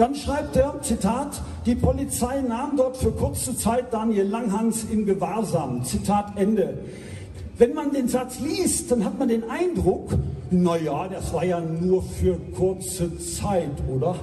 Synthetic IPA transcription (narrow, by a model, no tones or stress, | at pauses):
d̥anʃʁ̥aɪp̚teːɐt͡sitʰaːtd̥iːpʰɔlit͡saɪnaːmdɔɐtfyːɐkʰʊɐt͡sət͡saɪt̚d̥aːnjelaŋɦaŋsɪmɡəvaːɐzaːmt͡sitʰaːtʔɛndə | vɛnmandeːnzat͡sliːst̚d̥anhatmandeːnʔaɪndʁʊknajaːd̥asv̥aːɐjaːnuːɐfyːɐkʰʊɐt͡sət͡saɪtʔoːdɐ